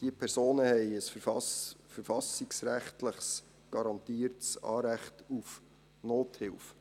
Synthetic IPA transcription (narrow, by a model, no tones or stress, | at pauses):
d̥iəpʰɛɾsoːnəhɛɪəsfɑfəɾfɑsiksɾæχtləχs | ɡ̥ɑɾɑnt̪iːəɾtsɑ̰ːɾæχtuf | noːthɪlf